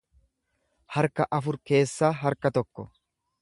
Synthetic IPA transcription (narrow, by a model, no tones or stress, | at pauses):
hɐɾkɐʔɐfʊɾke̞ːsːaːɦɐɾkɐt̪ɔkːɔ